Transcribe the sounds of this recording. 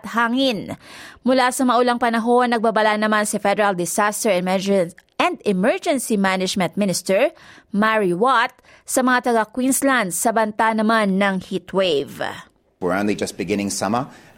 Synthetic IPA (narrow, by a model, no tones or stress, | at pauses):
t̪haːŋɪnmʊlasɐmɐʔʊlaŋpɐnɐɦo̞nːɐɡ̚babɐlanɐmansɐfɛd̪ɛɹɐld̪ɪsast̪ɛɹɛm | ɛnd̪ɪmɛɹd͡ʒɛnsimanɪd͡ʒmɛ̃nt̪̚mɪnɪst̪ɛɹmaɹiwat̪̚ | sɐmɐŋat̪ɐɡakwinsland̪sɐbɐnt̪anɐmanːɐŋhit̪wejv | əãndlid͡ʒɐs̚b̥ɪɡɪnɪ̃ŋsɐmə